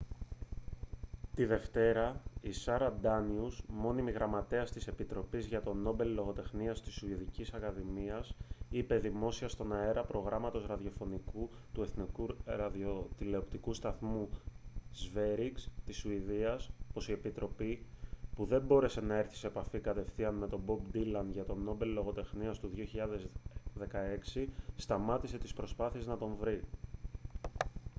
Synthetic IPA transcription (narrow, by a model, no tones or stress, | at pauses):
t̪iðe̞ft̪e̞ɾɐisɐɾɐd̪ɐniuzmo̞nimiɣɾɐmɐt̪e̞ɐst̪ise̞pit̪ɾo̞pizʝɐt̪o̞no̞be̞llo̞ɣo̞t̪e̞xniɐst̪isuiðicisɐkɐðimiɐsipe̞ðimo̞siɐst̪o̞nɐe̞ɾɐpɾo̞ɣɾɐmɐt̪o̞zɾɐðio̞fo̞niku | t̪ue̞θnikuɾɐðiot̪ile̞opt̪ikust̪ɐθmu | zve̞ɾiɡst̪isuiðiɐsopo̞sie̞pit̪ɾʔo̞pipuðe̞mbo̞ɾe̞se̞nɐe̞ɾθi̥seːpɐfikɐt̪e̞fθiɐnme̞t̪o̞bo̞bd̪ilɐnʝɐt̪o̞no̞be̞llo̞ɣo̞t̪e̞xniɐst̪uðio̞çiʎɐðezðe̞kɐe̞ksist̪ɐmɐt̪ise̞t̪ispɾo̞spɐθie̞znɐt̪o̞ɱvɾi